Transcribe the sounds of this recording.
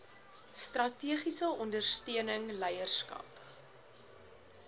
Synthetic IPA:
strɐtiəχisəɔndərstiənəŋlɛjərskɐ̰p

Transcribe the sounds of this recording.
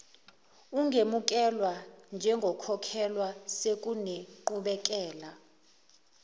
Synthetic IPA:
uŋʱemuk̬ʼɛlwand͡ʒʱɛŋɡʱɔkʰɔkʰɛlwasek̬ʼuneǃuɓɛk̬ʼɛːla

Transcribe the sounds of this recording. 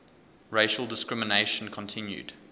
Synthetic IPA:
ɹeɪʃəlˠdɪskɹɪməneɪʃə̃nkʰə̃ntʰɪ̃njʉ̰d̥

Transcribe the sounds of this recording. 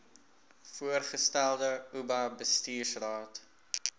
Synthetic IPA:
fuərχəstælˠdəubɐbəstiːrsrɑːt

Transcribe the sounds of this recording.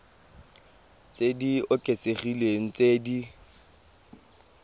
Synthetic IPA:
t͡sʼediʊkʼeseχileŋ̩t͡sedi

